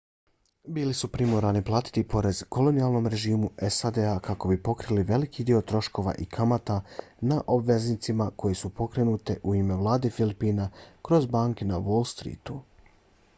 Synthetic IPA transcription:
biːlisupɾimoɾaniplˠaːt̪i̥t̪ipo̞ɾe̞z̥ko̞lo̞nijalˠno̞mɾe̞ʒiːmuesad̪eakako̞bipo̞kɾiliʋe̞likʰid̪io̞t̪ɾo̞ʃko̞ʋa̰ʔikʰamat̪anaʔo̞bʋe̞znit̪simako̞jesupo̞kɾe̞nuːt̪eʔuiːme̞ʋlˠaːd̪e̞filipiːnakɾo̞zbaːŋkenaʋo̞lˠst̪ɾḭːt̪u

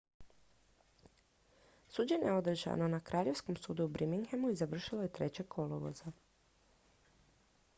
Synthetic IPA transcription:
suːd͡ʑeneeo̞d̪r̩ʒa̰no̞nakɾʔaːʎe̞ʋsko̞msuːd̪uːbɾimiŋxemuizaʋr̩ʃiloje̞t̪ɾe̞t͡ɕekʰo̞loʋo̰za

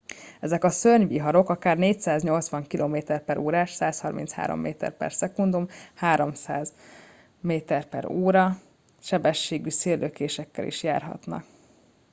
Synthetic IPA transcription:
ɛzɛkɒsørɲʋiɦɒɾo̞kɒkaːrneːcsaːzɲo̞lt̪sʋɒŋkilʔoːmeːt̪ɛrpɛɾʔoːɾaːʃsaːshɒrmḭnt̪sha̰ːɾo̰mːeːt̪ɛ̰rpɛ̰rsɛkund̪umhaːɾo̞msaːz | meːt̪ɛrpɛ̰ɾoːɾɒ | ʃɛbɛʃːeːɡyseːrløkeːʃɛkːɛ̰lʔḭʃja̰ːrɦɒ̰t̪nɒ̰k

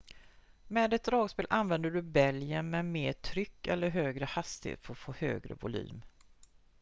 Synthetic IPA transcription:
mɛːd̪ɛt̪̚d̪ɾɑːɡspeːlʔanvɛnd̪əɖɵbɛljənmɛmeːʈʰɾʏkːɛlːəɾɦøːɡɾəhast̪ɪhḛːt̪fəfoːhø̰ːɡɾə̰vʊ̰ly̰ːm

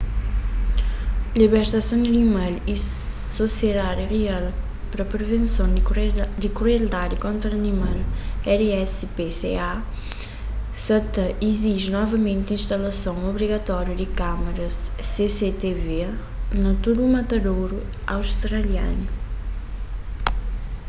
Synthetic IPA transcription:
liβeɾt̪ɐsɐ̃w̃d̪ɐnimali | sosjed̪aɾiʁial | pɾɐpɾevẽnsɐ̃w̃d̪ɪkɾeld̪aɾjukõnt̪ɾɐɐnimalɛɾɛs | pesḛa | sɐt̪ɐiziʒnɔvɐmẽnt̪ĩʃt̪ɐlɐsɐ̃w̃oβɾiɣɐt̪ɔɾjud̪ɪkamɐɾɐsːeset̪eve | nɐt̪uɾumɐt̪ɐd̪owɾu | awst̪ɾɐlja̰nu

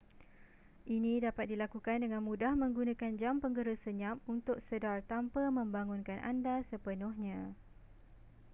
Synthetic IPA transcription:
ʔinĩdapat̪̚dilakukandəŋãnmudahmə̃ŋɡunãkand͡ʒampəŋɡəɾəsəɲamunt̪ʊk̚sədart̪ampəmə̃mbaŋũnkanʔa̰ndasəpənʊhɲã

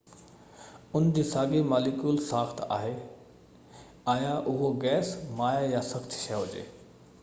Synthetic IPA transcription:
ʊnd͡ʑiːsaːɡimaːlikjuːlsaːxt̪ʰa̰ːɦe | aːjaʔʊɦoɡɛːsmaːjjasɐxt͡ɕ̪ʰʃɐjaɦʊd͡ʑḛː

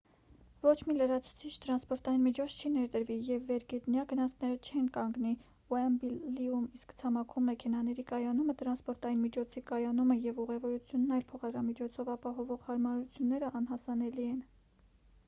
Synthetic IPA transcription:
vɔt͡ʃʰmiləɾɑt͡sʰu̥t͡sʰit͡ʃʰt̪əɾɑnspɔɾt̪ɑjinmit͡ʃʰɔt͡sʰt͡ʃʰinɛɾd̪əɾvijɛvːɛɾɡɛt̪njɑɡənɑt͡sʰnɛɾət͡ʃʰɛnkɑŋɡni | ɔɛmbiliumiskt͡sʰɑmɑkʰumːɛkʰɛnɑnɛɾikɑjɑnumət̪əɾɑnspɔɾt̪ɑjinmit͡ʃʰɔt͡sʰikɑjɑnuməjɛvuʁɛvɔɾut͡sʰjunːɑjlpʰɔχɑd̪ɾɑmit͡ʃʰɔt͡sʰɔvɑpɑɦɔvɔʁhɑɾmɑɾut͡sʰjunːɛɾəʔɑnɦɑsɑnɛliɛn

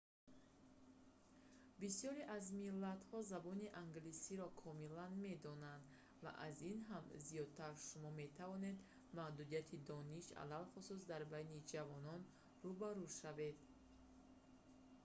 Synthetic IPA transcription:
bisijɔɾiʔazmilːat̪hɔzabɔniʔaŋɡlisiɾɔkʰɔmilanme̞d̪ɔnand̪ | va̰ʔazinɦamzijɔd̪̚t̪ʰaɾʃumɔme̞t̪ʰavɔne̞d̪ | mahd̪ud̪ijat̪ʰid̪ɔniʃa̰lalχususd̪aɾbajnid͡ʒavɔnɔn | rubaɾuʃave̞d̪

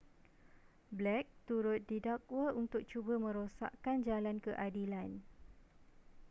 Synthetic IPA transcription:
blɛk̚t̪uɾʊt̪̚didakwəʔunt̪ʊk̚t͡ʃubəmə̃ɾosa̰ʔkand͡ʒalankəʔadilan

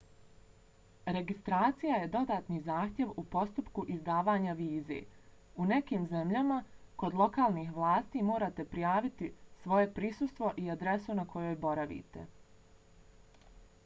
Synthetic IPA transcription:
ɾe̞ɡist̪ɾaːt̪sijaje̞d̪o̞d̪aːt̪niːzaːxt̪je̞ʋupo̞st̪upkuʔizd̪aːʋaːɲaʋiːzḛː | une̞kiːmze̞mʎamako̞d̪lˠo̞kaːlˠniːxʋlˠaːst̪iːmoːɾat̪e̞pɾijaːʋit̪isʋo̞jepɾisust̪ʋo̞ʔiad̪ɾe̞sunakʰo̞jo̞ːjbo̞ɾaʋḭːt̪ḛ

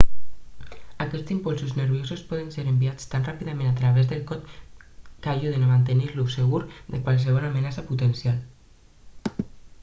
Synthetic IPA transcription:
akɛst͡simpɔlˠsuznəɾβjosuspɔð̞enseɾembiat͡st̪anrapiðamẽnat̪ɾaβ̞ɛzðelˠkɔt̪ | kaʒuðenamant̪eniɾluseɣuɾd̪ekwals̬əβ̞ɔlamenasaput̪ensjal

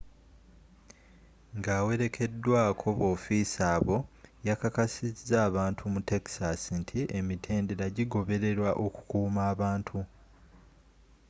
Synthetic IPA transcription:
ŋɡaːwe̞ɾe̞kʰe̞dːwaːkʰo̞βo̞ːfisaːβo̞jakakasizːaːβaːntʰumute̞ksasintʰie̞mitʰe̞ːndeɾaɟiɡo̞βe̞ɾe̞ɾwaʔo̞ku̥kuːmaːβaːntʰu

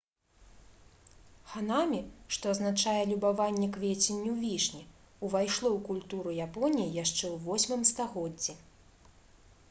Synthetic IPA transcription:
xanamʲiʂt̪ɔɐznat͡ʂajɛlʲubavanʲːɛkvʲet͡sʲenʲːiwvʲiʂnʲi | uvajʂlˠɔwkulʲt̪uɾujapɔnʲijijaʂt͡ʂɛwvɔsʲmɨmst̪aɣɔd͡zʲːi

